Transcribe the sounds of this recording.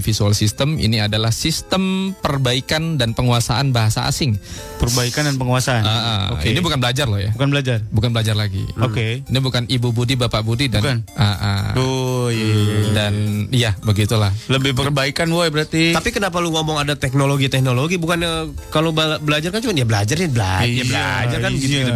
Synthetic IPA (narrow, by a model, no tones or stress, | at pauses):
fisualsist̪əmḭniadalahsist̪əmpərbaikandanpəŋuasaʔanbaɦasa̰a̰sɪŋ | pərbaikandanpəŋuasaanəʔə̰oḭnibukanbəlad͡ʒarlɔhja̰bukanbəlad͡ʒarbukanbəlad͡ʒarlaɡḭokeinibukanʔibubudibapaʔbudidankanaʔa̰o | danijabəɡit̪ulahləbɪhpərbaikanwoɛbəɾart̪it̪apikənap̬aluŋomɔŋadat̪ɛk̚noloɡit̪ɛk̚noloɡibukanəkalobbəlad͡ʒarkant͡ʃumanjabəlad͡ʒarabəla̰jabəlad͡ʒaɾkanɡi